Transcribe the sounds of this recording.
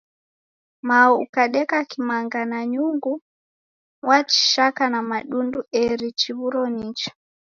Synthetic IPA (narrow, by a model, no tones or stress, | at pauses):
maɔukaɗɛkakimaŋɡanaɲuŋɡu | wat͡ʃi̥ʃakanamaɗunduɛɾit͡ʃiβuɾɔnit͡ʃḁ